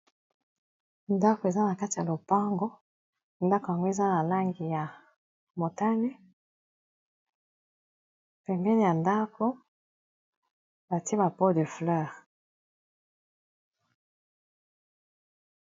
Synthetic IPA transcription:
nda˦ko˨e˨za˦na˨ka˦ti˨ja˨lo˨pa˦ŋɡo˦ | nda˦ko˨ja˨ŋɡo˦e˨za˦na˨la˦ŋɡi˨ja˨ | mo˨ta˦nɛ˦ | pɛ˨mbɛ˦ni˨ja˨nda˦kʰo˦ | ba˨tba˨po˦de˨flœ˦˨ʁ

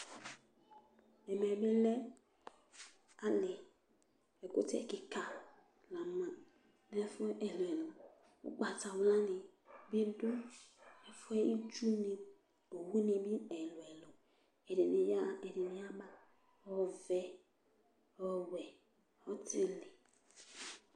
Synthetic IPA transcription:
ɛ˨mɛ˨be˦lɛ˦ | a˦lɪ˨ | ɛ˨kʊ˦tɛ̰˦˨kɪ˨ka˨ | la˨ma˨ | nɛ˦fʊ˦ʔɛ˨lo˨ɛ˨lʊ˨ | ṵ˦k͡pa˨ta˨wla˦nɪ˨bi˦dʊ˦ɛ˨fʊ˦ɛ˦i˦t͡ʃu˦ni˨ | o˨wu˦ni˨bi˦ɛ˨lʊ˨ɛ˨lɔ˨ | ɛ˨˦ɛ˨dɪ˨ni˨˦a˦ba˦ | ɔ˦vɛ˦ | ɔ˦wɛ˨ | ɔ˦tɪ˦lɪ˨

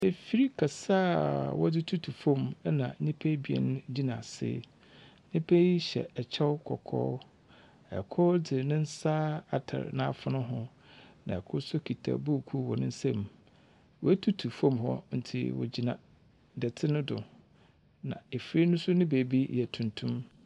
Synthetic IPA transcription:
e˨fi˦ɾi˦kʰa˨saː˦wɔ˦dɪ˦tʰu˦tʰu˨fɔ̃˦˨m˦nã̰˨˦nĩ˦pʰe˦bi˨ɛ̰˨ñ˦d͡ʑi˦nã˨sɪ̰˦ | nɪ̃˦pʰe˦ji˦ɕɛ̰˨ɛ˨t͡ɕʰɛ˦wkʰɔ̰˨kʰɔ̰ː˦ | ɛ̰˨kʰɔ˦dɪ˨nɪ̃˦n̩˦sa˦a˨tʰa̰˨ɾnã˦a˨fʊ˨nʊ̃˦ɦʊ̃˦ | nã˨ɛ˨kʰʊ˦sʊ˦kʰi˨tʰa̰˨bu˦˨kʰu˦wɔ˨nʊ̃˦n˦sɛ̃˦˨m | wɔ˨æ˦tʰu˦tʰu˨fɔ̃˦mɦɔ̰˦n̩˨tʰḭ˨wɔ̰˨d͡ʑi˨nã˨ | dɛ˨tʰɪ˦nʊ̃˦dʊ˨ | nã̰˨e˨fɾi˦nʊ̃˦sʊ˦nɪ̃˦beː˨bi˦jɛ˨tʰũ˨ntʰũ˦m

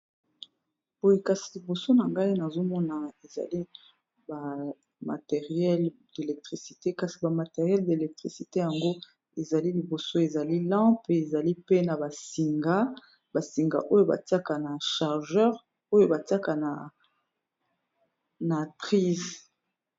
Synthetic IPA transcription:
b̥o˦je˦ka˨si˨li˨bo˨so˦na˨ŋɡa˦i˦na˨zo˦mɔ˦na˨e˨za̰˨li˦ | ba˨ | ma̰˨te˨ʁjɛ˦lde˨lɛ˨k̚tʁi˨si̥˨te˦ka˨si˨ba˨ma˨te˨ʁjɛ˦lde˨lɛ˨k̚tʁi˨si˨te˦ja˨ŋɡo˦ | e˨za˨li˦li˨bo˨so˦e˨za˨li˦lɑ̃˦pe˨za˨li˦pe˦na˨ba˨si˨ŋɡa˦ | ba˨si˨ŋɡa̰˨ʔo˦jo˦ba̰˨ti˦a˦ka˨na˨ʃa˨ʁʒœ˦ʁ | o˦jo˦ba˨ti˦a˦ka˨na˨ | na˨tʁi˦z

